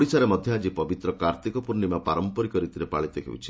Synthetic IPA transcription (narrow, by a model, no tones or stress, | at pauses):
ɽisaɾemɔd̪ʱjɔad͡ʒipɔbit̪ɾɔkaɾt̪ikɔpuɾnimapaɾɔmpɔɾikɔɾit̪iɾepaɭit̪eɦḛwṵt͡ʃʰi̥